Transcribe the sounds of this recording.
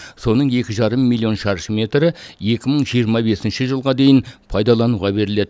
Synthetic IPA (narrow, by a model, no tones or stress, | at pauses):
so̞nəɴje̞kʲɪʒɑɾəmːilʲˠːio̞nʃɑɾʃəme̞t̪ɾɪje̞kʲɪməɴʒijəɾmɑbe̞sɪnʃɪʒəlˠʁɑd̪e̞jɪnpʰɑjd̪ɑlˠɑnuʁɑbe̞ɾɪle̞d̪ɪ